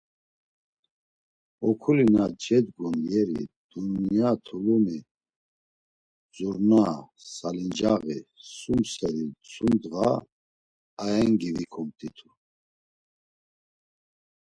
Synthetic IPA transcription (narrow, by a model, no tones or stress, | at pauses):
ɔkʰulinad͡ʒɛd̪ɡunjɛɾḭd̪̥unːijat̪ʰulumi | d͡zuɾna | salind͡ʒaɣḭsumsɛɾit͡sʰʼumd̪ɣa | ɛŋɡivikʰɔmt̪ʼit̪ʰu